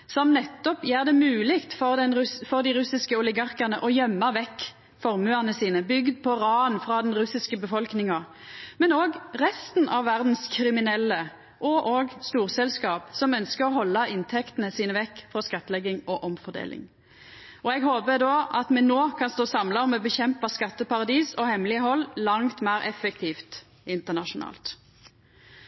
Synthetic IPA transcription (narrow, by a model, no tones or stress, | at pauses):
sɔmnɛt̪ːɔpjæːʁd̪ɛmʉːlɪkt̪fɔʁd̪ɛnfɔʁd̪ɪʁʉsɪskəɔlɪɡɑʁkənəʔɔjœmːəʋɛkː | fɔɾmʉənəsiːnəbʏɡd̪̚pʰɔʁɑːənfɾɑd̪ɛnɾʉsɪskəbəfɔlknɪŋɑ | mɛnoːɡʁɛst̪nʔɑʋːæʁd̪n̩skʰɾɪmɪnɛlːə | ʔɔʔoːɡst̪uːʁsɛlskɑːpsɔmœnskəʁɔɦɔlːɑɪnt̪ʰɛkt̪ən̩əsiːnəʋɛkːfɾɔskɑt̪ːəlɛɡɪŋɔʔɔmfɔd̪ḛːlɪ̰ŋ | ɔɛɡhoːbəd̪oːʔɑt̪mɛnoːkʰɑnst̪oːsɑmlɑɔmɔbəçɛmpɑskɑt̪ːəpɑʁɑd̪iːsɔhɛmlɪəɦɔlːlɑŋt̪mæːɾʔɛfək̚t̪ʰiːft̪ | ɪnt̪əʁnɑʃʊnɑ̰ːlt̪